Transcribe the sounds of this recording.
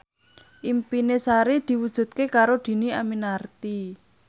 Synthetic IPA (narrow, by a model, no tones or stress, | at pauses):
ʔimpinesaɾid̪̥i̤wud̥ʒ̥ṳt̪̚kekaɾod̪̥i̤niaminart̪i